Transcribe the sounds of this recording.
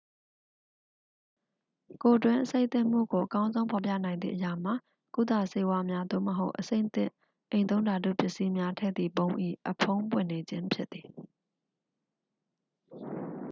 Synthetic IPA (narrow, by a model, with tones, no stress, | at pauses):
ko˨dwɪ̃˦ʔəse˦ɪʔt̪ɪ̰̃˦˨m̥ṵ˦˨ɡo˨ʔəkã˦ʊ̃nzõ˦ʊ̃pʰɔ˨pja̰˦˨nã˨ɪ̃nd̪ðḭ˦˨ʔəja˨m̥a˨ | ku˦˨d̪a˦˨se˦wa˦mja˦d̪o̰˦˨məɦo˦ʊʔəsḛ̃˦ɪ̃t̪ɪ̰̃˦˨ | ʔẽ˨ɪ̃nt̪õ˦ʊ̃nda˨d̪ṵ˦˨pjɪ˦ʔsi˦mja˦tʰɛ̰˦˨d̪ðḭ˨bõ˦ʊ̃ʔḭ˦˨ʔəpʰõ˦ʊ̃mpwɪ̰̃˦˨ne˨d͡ʑɪ̃˦mpʰjɪ˦t̪̚ːi˨